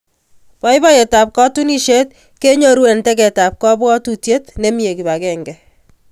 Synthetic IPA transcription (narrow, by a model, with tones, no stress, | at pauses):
pɔ˦jbɔ˦ɛ˨ta˨p̚kɔ˦tu˦ni˦ʃe˦t̚ | ke˦ɲo˦ɾwe˨ntɛ˦kɛ˨ta˨p̚kɔ˦bwɔ˦tu˨tje˦tne˦mi˦e˨ki˨ba˨kɛ˦ŋɡɛ˨